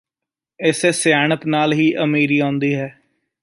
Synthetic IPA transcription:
ɪseːsɪjaːɳət̪naːlɦiːʔəmiːɾiːãːnd̪iːɦɛː

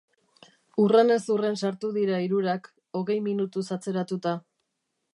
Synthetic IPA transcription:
urene̞sure̞nsaɾt̪uðiɾaiɾuɾak | o̞ɣe̞jminut̪usat͡se̞ɾat̪ut̪a

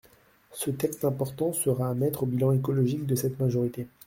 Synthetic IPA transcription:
sət̪ɛkst̪ɛ̃pɔʁt̪ɑ̃səʁaːmɛt̪χobilɑ̃ekɔlɔʒik̚d̪əsɛt̪maʒɔʁit̪e

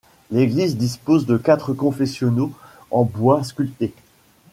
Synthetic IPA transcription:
leɡlizd̪ispozd̪əkat̪χəkɔ̃fɛsjɔno | ɑ̃bwas̬kʲylt̪e

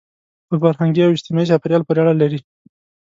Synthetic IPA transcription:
pəfaɾɦaŋɡiawɪst̪imɑizafaɾjɑlpoɾeaɽalaɾi

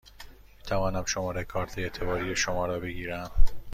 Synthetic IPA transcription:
miːt̪ʰævɒːnæmʃo̞mɒːɾekʰɒːɾt̪ʰeet̪ʰe̞bɒːɾiːjeʃomɒːɾɒːbe̞ɡiːɾæm

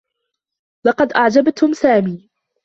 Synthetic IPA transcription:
lɑqɑd̪ʔaʕd͡ʒabt̪ʊmsaːmiː

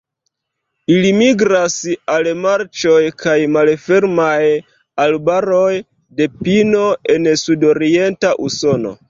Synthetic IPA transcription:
ilimiɡɾasalmaɾt͡ʃo̞jkʰajmalfe̞ɾmaj | albaɾo̞j | de̞pino̞e̞nsudo̞ɾie̞ntaʔuso̞no̞̰

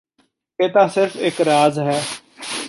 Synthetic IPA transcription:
eːt̪aːsɪɾfeːkɾaːzɦɛː

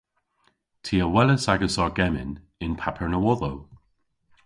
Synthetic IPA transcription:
tʰiəwɛləsaɡəsɔɹɡɛmɪ̰n | ɪnpʰapʰəɹnəwɔðow

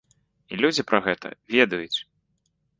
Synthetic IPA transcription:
ilʲud͡zʲipɾɐɣɛt̪ʰɐ̰vʲɛd̪ɐjut͡sʲ

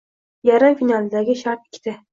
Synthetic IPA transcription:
jaɾafinalɪd̪aɡʲɪʃaɾt̪ɪ̥kʲʰt̪ɪ

